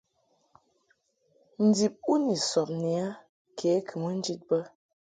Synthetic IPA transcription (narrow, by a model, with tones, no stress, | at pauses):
n̩˨˦di˨p̚u˦ni˨sɔ˨p̚ni˨a˦ | kʰe˨˦kʰɨ˨mə˦n̩˦d͡ʒi˦t̚bə˦